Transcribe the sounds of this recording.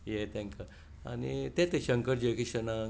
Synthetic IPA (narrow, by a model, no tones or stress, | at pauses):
jɛt̪ɛ̃ŋka | a̰nit̪ẽt̪eɕə̃ŋkəɾd͡ʑekiɕəna